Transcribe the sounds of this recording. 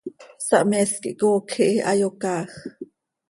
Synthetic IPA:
sɑʔmɛskiʔkoːkʰiʔiʔɑ̰jokɑːx

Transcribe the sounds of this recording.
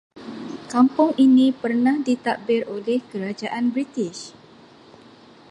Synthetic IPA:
kampʊŋinĩpərnahdit̪aʔbɪrolɛhkəɾad͡ʒaʔanbɾit̪ɪʃ

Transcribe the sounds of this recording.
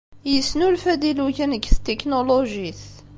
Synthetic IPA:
jəsnulfæd̪iluçænəɡθt̪ːeknoloʒiθ

